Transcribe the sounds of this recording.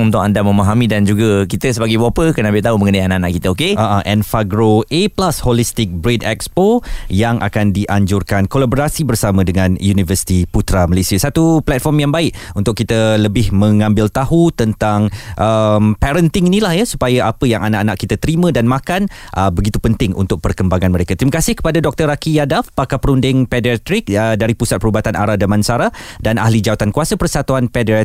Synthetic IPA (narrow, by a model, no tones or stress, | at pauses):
ŋunt̪ʊkandamə̃maɦamĩdand͡ʒuɡakit̪əsəbaɡajbwaapəkənabɪʔt̪aɦumə̃ŋənaianaʔanaʔkit̪əokeaʔaʔɛnfaɡɾoeplasholist̪ɪk̚bɾedɛ̰kspojaŋʔa̰kandiʔaɲd͡ʒʊrkankolaboɾasibərsamə̃dəŋãnjunivəsi̥t̪iput̪ɾaməlesiasat̪uplɛt̪̚fɔrmjaŋbaɪʔunt̪ʊkːit̪ələbɪhməŋãmbɪlt̪ahɦut̪ənt̪aŋʔəmpɛɾənt̪ɪŋinĩlahjasu̥pajaʔapəjaŋʔana̰ʔanaʔkːit̪at̪əɾimə̃danmãkanʔəbəɡit̪upənt̪ɪŋʔṵnt̪ʊk̚pərkəmbaŋãnməɾekat̪ɾiməkasɪhkə̥padadɔk̚t̪ərakijadafpakapəɾundɪŋpɛdɛt̪ɾɪk̚ədaɾipusat̪̚pəɾubat̪anʔa̰ɾadamansaɾadana̰ɦlid͡ʒawat̪ankuasapərsat̪uanpɛdɛ